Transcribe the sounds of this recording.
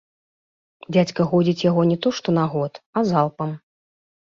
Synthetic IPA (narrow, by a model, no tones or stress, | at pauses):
d͡zʲat͡sʲkɐɣɔd͡zʲit͡sʲjaɣɔnʲɛt̪ɔʂt̪ɔnaɣɔt̪azalˠpɐm